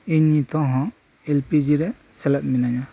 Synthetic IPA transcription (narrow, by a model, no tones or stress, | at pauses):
iɲit̪ʰɔ̃ɦɔ̃ | ɛlpid͡ʒiɾɛ | sɛlɛp̚minaɲa